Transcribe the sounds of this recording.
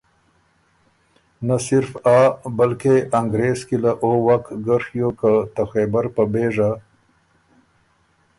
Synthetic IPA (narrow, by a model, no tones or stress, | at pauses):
nasɪɾfabalkeʔaŋɡɾeskilaʔowakɡəɾxjokat̪axebaɾpəbeʐa